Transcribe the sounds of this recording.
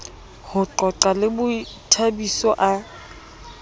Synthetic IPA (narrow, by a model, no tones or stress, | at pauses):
hʊt͡ɬɔt͡ɬalɪbʊitʰabisɔʔa